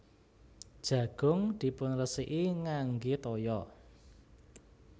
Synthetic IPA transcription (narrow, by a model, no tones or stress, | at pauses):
d̥ʒ̥ä̤ɡ̥ʊ̤ŋd̪̥i̤pʊnrəsiʔiŋaŋɡet̪ɔjɔ